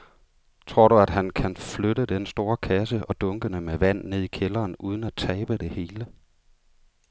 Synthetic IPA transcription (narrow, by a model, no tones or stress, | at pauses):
t͡sʰʁo̝ɐ̰ɾ̥uæd̥ɦænkʰænfløɾəd̥ensd̥o̝ːɐkʰæs̬əʔɒ̽d̥ɔ̽ŋɡ̥ənəmeʋæn̰nːe̝ð̞̰ˠikʰelɐːnuːð̞ˠn̩æt͡sʰɛːb̥əd̥e̝he̝ːlə